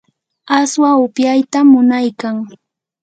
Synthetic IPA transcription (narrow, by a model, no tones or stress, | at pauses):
aswaʊpjajt̪amʊnajkaŋ